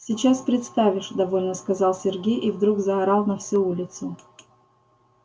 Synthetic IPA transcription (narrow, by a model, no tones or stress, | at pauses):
sʲɪt͡ɕaspɾʲɪt̪st̪avʲɪʂd̪ɐvo̞lʲnəskɐzɑlˠsʲɪrɡʲejʔivd̪ɾuɡzɐːɾalˠnɐfsʲuulʲɪt̪sʊ